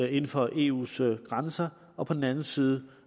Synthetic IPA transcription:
e̝nn̩fɒ̽ʔe̝̰ːṵːsɡ̥ʁansɐ | ɒ̽pʰɒ̽d̥n̩ænn̩siːð̞ˠ

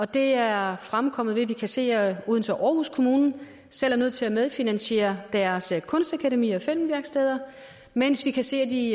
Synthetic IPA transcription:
ɒ̽d̥e̝æɐfʁamkʰɒ̽m̰ð̞̩ˠʋe̝ʋikʰæse̝̰ːɐuːðˠn̩fɒʔɒːhuskʰo̝muːnn̩ | sel̰æɐnøð̞̰̩ˠt͡sʰe̝læmeð̞ˠfinænɕe̝̰ːɐd̥æɐskʰɔ̽nsd̥ækʰæɾemḭːɒfel̰mʋæɐɡ̥sd̥eːð̞ˠɐ | men̰sʋikʰæse̝ːɐd̥i

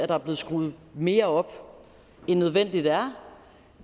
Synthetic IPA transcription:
æɾ̥ɑ̈æɐb̥le̝ːð̩ˠsɡ̥ʁuːð̩ˠme̝ːɐɒ̽b̥ | enːøð̞ˠʋen̰d̥id̥æɐ

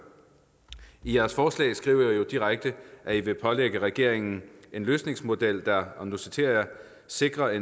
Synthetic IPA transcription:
ijæɐsfɒːslɛ̰ːsɡ̥ʁḭʊ̰ɐjo̝d̥iʁaɡ̥̚d̥əʔæiʋe̝pʰɒ̽leɡ̥əʁɛɡ̥e̝ɐ̰e̝ŋn̩e̝nløːsne̝ŋsmo̝d̥el̰d̥ɑɒnosit͡sʰe̝ɐ̰jɐ | se̝ɡ̥ʁɐe

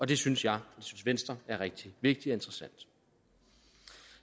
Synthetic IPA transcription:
ɒ̽d̥e̝synsjɑ̈ɪlisynsʋen̰sd̥ʁɐæɐʁɛɡ̥̚d̥iʋe̝ɡ̥̚d̥iɒ̽e̝nd̥ʁɐsæn̰d̥

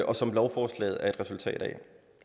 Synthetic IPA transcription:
ʔɒ̽sɒ̽mlɒʊfɒːslɛ̰ːð̩ˠæɐe̥ʁɛsult͡sʰɛ̰ːɾ̥ɛ̰

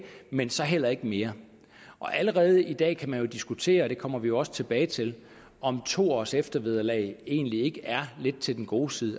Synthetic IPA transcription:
mensɒ̽ɦel̰ɐe̝ɡ̥əme̝ːɐ | ʔɒ̽ʔæləʁɛːð̞ˠəid̥ɛ̰ːkʰæmænjo̝d̥isɡ̥ut͡sʰe̝̰ːɐɒɾ̥e̝kʰɒ̽m̰ɐʋijo̝ɒ̽sə̥t͡sʰe̝b̥ɛːɪt͡sʰe̝l | ɒ̽mt͡sʰo̝̰ːɒ̰ːsefd̥ɐʋe̝ð̞ˠɐlɛ̰ɪe̝̰ːnlie̝ɡ̥əʔæɐle̝d̥̚t͡sʰe̝ldenɡ̥o̝ːsið̞ˠ

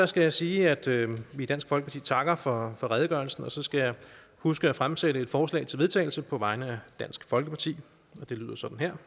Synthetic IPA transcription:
d̥ɑsɡ̥æjɑsiːæd̥øʋid̥æn̰sɡ̥fɒ̽lɡəpɑt͡sʰḭːt͡sʰɑ̈ɡ̥ɐfɒ̽fɒ̽ʁɛð̞ˠəɡ̥ɶɐlsn̩ɒ̽sɒ̽sɡ̥æjɑ̈ɪ | husɡ̥əæfʁamseɾəe̝d̥fɒːslɛ̰ːɪt͡sʰelʋe̞t͡sʰɛ̰ːɪl̩səpʰɒ̽ʋɑ̈ɪnəæd̥æn̰sɡ̥fɒ̽lɡ̥əpʰɑ̈t͡sʰḭː | ɒ̽d̥e̝lyð̞̰ˠɐsɒ̽d̥n̩heɐ̰

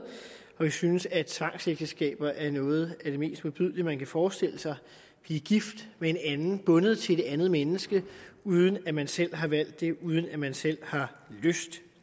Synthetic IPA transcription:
ɒ̽ʋisynəsæt͡sʰʋɑ̈ŋ̰seɡ̥d̥əsɡ̥ɛ̰ːb̥ɐʔæɐnɔ̽ːð̞̩ˠæd̥e̝me̝̰ːsd̥muðb̥yð̰ˠliəmænkʰæfɒːsd̥e̝l̰əsɑ̈ɪ | b̥liːɡ̥ifd̥mee̝nænn̩b̥ɔ̽nəð̩ˠt͡sʰe̝d̥ænð̞̩ˠmenəsɡ̥əuːð̞ˠən̩æmænsel̰ɦɑ̈ʋæl̰d̥ːe̝ʔuð̞ˠən̩æmænsel̰hɑ̈ | løsd̥

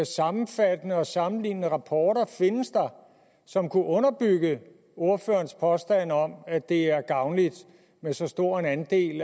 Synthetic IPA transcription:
sɑ̈mm̩fæd̥ənəɒ̽sɑ̈mn̩lḭːnənəʁɑ̈pʰɒːɾ̥ɐfe̝nəsd̥ɑ̈ | sɒ̽mkʰuʔɔ̽nɐb̥yɡ̥ə | o̝ɐføːɐnspʰɒ̽sd̥æn̰ɒ̽mæd̥e̝æɐɡ̥ɑ̈ʊnlid̥ | mesɒ̽sd̥o̝ɐ̰e̝nænd̥e̝̰ːl

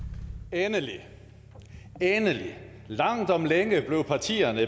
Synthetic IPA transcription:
enəli | enəli | lɑ̈ŋ̰d̥ɒ̽mleŋəb̥le̝ʊpʰɑ̈t͡sʰḭːɐnə

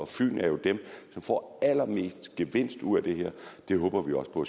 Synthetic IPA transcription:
ɒ̽fy̰ːnæɐjo̝d̥emsɒ̽mfɒ̰ælɐme̝̰ːsd̥ɡ̥eʋe̝n̰sd̥uð̰ˠæd̥e̝ɦeɐ̰d̥e̝ɦɔ̽ːb̥ɐʋiɒ̽spʰɒ̽æ

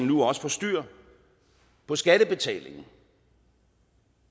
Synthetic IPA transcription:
nnuɒ̽sə̥fɒ̽sd̥yɐ̰ | pʰɒ̽sɡ̥æd̥əb̥e̝t͡sʰɛ̰ːle̝ŋn̩

